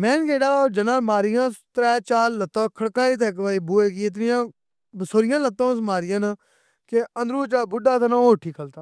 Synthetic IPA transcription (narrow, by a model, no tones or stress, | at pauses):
mɛ̃ːnkeːɽaːoːd͡ʒənãːmaːɾɪjãːt̪ɾɛːt͡ʃaːɾlət̪ãːkʰəɽkãːiːt̪ʰːkʋaːiːbuːeːkiːɪt̪̬nɪjãː | bəsoːɾɪjãːlət̪ːõːsmaːɾɪjãːna | keənd̪ɾuːt͡ʃaːbʊɖaːt̪ənãːoːʈʰːiːkʰəlt̪aː